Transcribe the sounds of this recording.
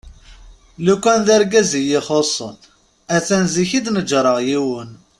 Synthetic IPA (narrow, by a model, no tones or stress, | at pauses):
lukʷːænðæɾɡæzijiχosˤə̰n | æt͡sːænziçid̪nəd͡ʒɾˤəʁjiwən